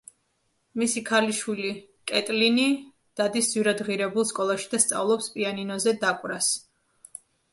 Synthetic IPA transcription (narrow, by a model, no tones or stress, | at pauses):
misikʰaliʃwili | kʼɛt̪ʼlini | d̪̥ad̪isd̪zwiɾad̪ʁiɾɛbulˠskʼɔlˠaʃi̥d̪ast̪sʼa̰vlˠɔpspʼianinɔzɛd̪akʼwɾas